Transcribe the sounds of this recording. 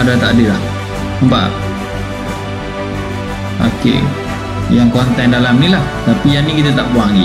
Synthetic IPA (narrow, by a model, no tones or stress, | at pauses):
adat̪adəlah | mba̰ʔ | a̰kḛʔ | jaŋkɔnt̪ɛndalamnilaht̪apijanikit̪at̪aʔbuaŋɡi